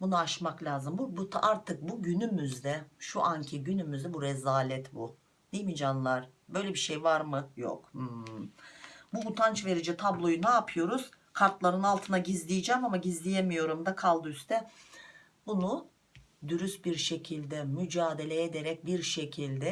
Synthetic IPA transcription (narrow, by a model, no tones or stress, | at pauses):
bunuaʃmaklʲaːzɯmbubut̪ʰʔaɾt̪ʰɯk̚buɟynymyzd̪ɛʃuʔancʰiɟynymyzd̪ɛbuɾɛzaːlʲɛt̪bṵ | d̪̥ejmid͡ʒanlˠaɾ̥bø̞jlʲebiʃejvaɾmɯjo̰khɯ | buut̪ʰant͡ʃve̞ɾid͡ʒɛt̪ʰablˠo̞junaːpʰɯjo̞ɾuz̥ | kʰaɾt̪lˠaɾɯnalˠt̪ʰɯnaɟizlʲijd͡ʒɛmamaɟizlʲijemijo̞ɾumd̪akʰalˠd̪ɯyst̪ʰɛ | bunu | d̪yɾysbiɾʃe̞cʰilʲd̪ɛmyd͡ʒaːd̪e̞lʲɛed̪eɾɛc̚biɾʃe̞cʰilʲd̪ɛ